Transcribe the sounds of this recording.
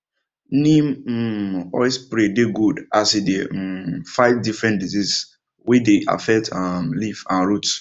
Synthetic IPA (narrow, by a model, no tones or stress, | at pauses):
nim̩ | ɔ̰ɪspɾedeɡudasidefaɪvdifɹɛ̃ndizis | wideʔa̰fɛk̚tamlifãnɹut